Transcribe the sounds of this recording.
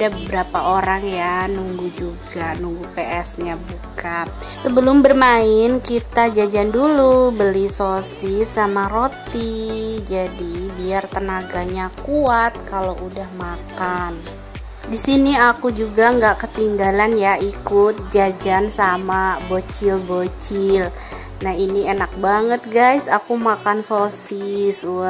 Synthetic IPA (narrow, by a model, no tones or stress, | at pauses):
adabəbəɾapaoɾaŋjanuŋɡud͡ʒuɡanuŋɡupeʔɛsɲabuka | səbəlʊmbərmaɪnkit̪ad͡ʒad͡ʒandulubəlisosisamaɾot̪id͡ʒadibiart̪ənaɡaɲakuat̪̚kaloʔudahmakan | disiniakud͡ʒuɡaŋɡaʔkət̪iŋɡalanjaikʊt̪̚d͡ʒad͡ʒansamabot͡ʃɪlbot͡ʃɪɪl | nahinienak̚baŋət̪̚ɡajsakumakansosisu